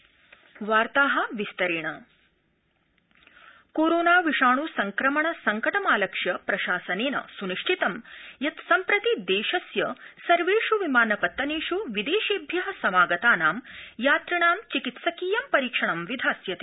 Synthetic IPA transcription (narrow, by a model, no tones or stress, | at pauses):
ʋaːɾt̪aːɦɐ̆ʋist̪ɐɾeːɳɐ | koːɾoːnaːʋiʂaːɳusɐŋkɾɐmɐɳɐsɐŋkɐʈɐmaːlɐkʂjɐpɾɐʃaːsɐneːnɐ̰suniʂʈʰit̪ɐmjɐt̪sɐmpɾɐt̪id̪eːʃɐsjɐsɐɾʋeːʂuʋimaːnɐpɐt̪ːɐneːʂuʋid̪eːʃeːbʱjɐɦɐ̆sɐmaːɡɐt̪aːnaːmjaːt̪ɾɐɳaːmt͡ʃikit̪sɐkiːjɐmpɐɾiːkʂɐɳɐmʋid̪ʱaːsjɐt̪e̥ː